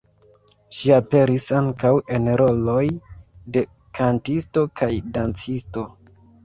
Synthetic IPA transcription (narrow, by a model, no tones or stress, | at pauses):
ʃiape̞ɾisaŋkawe̞nɾo̞lo̞jde̞ | kʰantisto̞kʰajdant͡sisto̞